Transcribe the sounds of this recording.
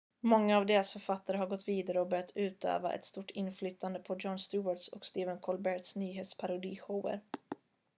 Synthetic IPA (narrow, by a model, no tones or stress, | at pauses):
mɔŋːaːvd̪eːɾasfœɾfat̪ːaɾəɦaɾɡɔt̪ːviːd̪aɾəɔbœɾjat̪ʰʉ̟ːt̪ø̰ːva̰ʔɛ̰t̪st̪uʈːʰɪnːflyt̪ʰːand̪əpʰɔd͡ʒɔnst̪ʉːaʈsɔ̰kst̪eːvənkʰɔlbɛʈ̪snyːɦeːt̪spʰaɾʊd̪iːɧɔə̰ɾ